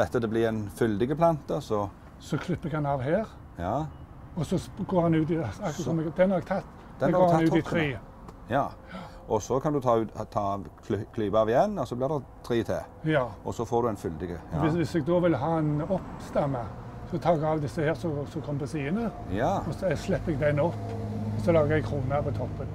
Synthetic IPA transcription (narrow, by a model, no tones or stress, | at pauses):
d̪ɛt̪ːəd̪ɛblɪɛnfʏld̪ɪɡəpʰlɑnt̪əsɔ | sɔkʰlʏpːəɡhɑnɑːʋɦeːɾ | jɑː | ɔsɔɡoːɾhɑnʉːt̪̬ɪɑkːsɔmɛɡd̪ɛnhɑɾɛɡ̚t̪ʰɑt̪ː | d̥̪ɛɛɡoːɾnʉt̪ɪt̪ʰɾiː | jɑː | ʔɔsɔkʰɑnd̪ʉt̪ʰɑːt̪ʰɑːkʰlkʰlyːbɑːʋɪjɛnːɔsɔblɪʁd̪ɛt̪ʰɾiːt̪ʰḛːjɑːɔsɔfoːɾd̪ʉɛnfʏld̪ɪɡəʋɪsʋɪsɛɡd̪ɔːʋɪlɦɑːɛnɔpst̪ɑmːə | sɔt̪ʰɑːɛɡɑʋd̪ɪsːəheːɾsɔsɔkʰɔməpəsiːənə | ɔsslɛpːɛɡ̚d̪æɪnɔpːɔsɔlɑːɡəɛɡ̚kʰɾuːnɑpʰɔt̪ʰɔpːən